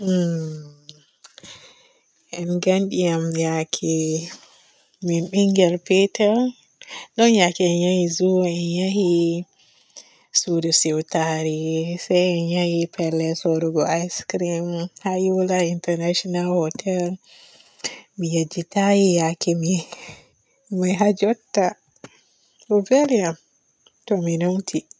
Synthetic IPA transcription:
ʔɛnɡanɗijamjakʰɛ | minɓiŋɡɛlpetʰɛl | ɗɔnjakɛɛnjahizuɛnjahi | sudɔsiwtaɾisajɛnjahipʰɛlːɛsɔɾɔɡɔajskɾimhajulaintɛɾnaʃɔnalhɔtʰɛl | mijad͡ʒitajijakʰɛmi | maɦad͡ʒɔtːa | uvɛliam | tɔminomtʰi

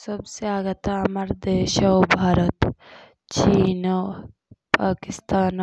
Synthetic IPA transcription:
sɐbseaːɡɐt̪amɐɾd̪eːʃawbʱaːɾət̪ | t͡ʃiːno | paːkɪst̪aːn

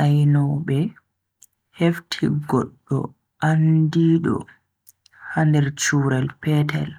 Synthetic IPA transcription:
ʔajnɔɓɛ | heftʰiɡɔɗːɔ̰ | ʔandiːɗɔ̰ | handɛɾt͡ʃuɾɛlpɛtɛ̰l

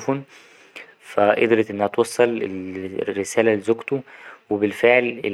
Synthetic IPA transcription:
fuːn | fæʔḛd̪ɾet̪ʔenːæhæt̪wɑsˤːɑlelɾːesæːlælezoɡt̪uwebelfeʕlḛ

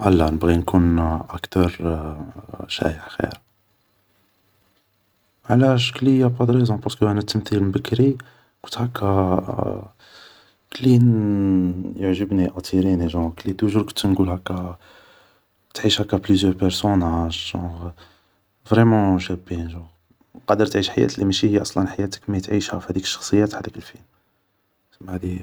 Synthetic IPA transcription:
ʔælːænəbɣinkunʔækt̪əɾ | ʃæ̰jəħxḭɾ | ʕlæʃklijapɑd̪ɾezɔ̃pɑʁskəʔænæt̪əmθilmbəkːɾi | kʊt̪hækːæ | kəlin | jəʕʒəbniʔɑt̪ʰˤiɾiniʒɑ̃klit̪uʒuɾkont̪ːnɡulhækːæ | t̪ʕiʃhækːæplyzjœʁpɛɾsonaʒʒɑ̃ʁ | vʁɛmɑ̃ʃæbinʒɑ̃ʁ | qɑd̪əɾt̪ʕiʃħajæ̰t̪limæʃihjʔɑsˤlənħajæt̪ə̥kmæt̪ʕiʃhæ̰fihæd̪ikə̥ʃːɑ̥xsˤəjːæt̪ħad̪əkəlfilm | səmːahd̪i

